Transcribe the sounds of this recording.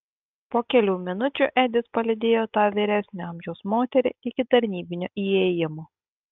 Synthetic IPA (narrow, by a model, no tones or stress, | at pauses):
poːkʲɛlʲuːmʲɪnʊt͡ʃʲuʔɛd̪ʲɪspɐlʲɪd̪ʲeːjoːt̪ɑːʋʲiːɾʲæsʲnʲɛɐˑmʲʒʲɛʊsmoːt̪ʲɛɾʲɪ̰ɪkʲɪt̪ɐɾʲnʲiːbʲɪnʲoʔiːɛjɪmo